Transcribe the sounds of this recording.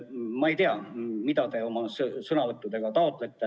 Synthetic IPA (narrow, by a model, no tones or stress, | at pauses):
mɑe̞jt̪eɑmid̪̥ɑt̪e̞o̞mɑssɤnɑvɤt̪ːˑud̪e̞ɡ̥ɑt̪ɑo̞t̪ˑle̞t̪ːˑe